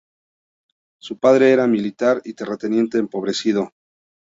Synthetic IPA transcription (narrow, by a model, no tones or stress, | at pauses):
supaðɾe̞eɾamilit̪aɾit̪eret̪e̞nje̞nt̪e̞ːmpo̞β̞ɾe̞sið̞o̞